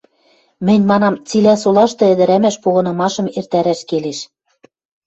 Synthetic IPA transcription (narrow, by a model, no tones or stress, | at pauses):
mɘ̆nʲmɑnɑmt͡silæsulˠɑʃt̪ɤ̆ɘ̆d̪ɘ̆ɾæmæʃpoɣɤ̆nɤ̆mɑʃɤ̆mert̪æɾæʃkeleʃ